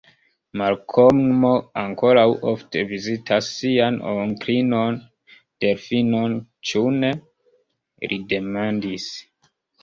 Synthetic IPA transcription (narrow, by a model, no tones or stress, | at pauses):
malkʰommoaŋko̞ɾawʔoftʰe̞vizitʰasːiano̰ŋkɾino̞n | d̥e̞ɾfinont͡ʃune̞ | ɾʔide̞mandis